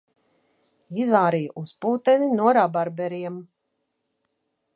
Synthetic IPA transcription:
izvaːɾijʔuspuːt̪ɛninuɔɾabaɾbɛɾiɛm

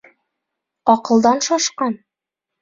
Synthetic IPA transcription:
ɒqɤ̆lˠd̪ɑnʃɒʃqɑn

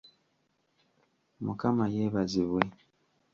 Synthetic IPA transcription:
mukamajeːβaziβwe

